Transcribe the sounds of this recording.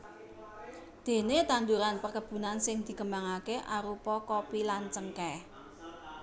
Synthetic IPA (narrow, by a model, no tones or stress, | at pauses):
d̪̥e̤net̪and̪uɾanpərkəb̥ṳnansɪŋd̪̥i̤kəmbaŋakeʔaɾupɔkopilant͡ʃəŋkɛ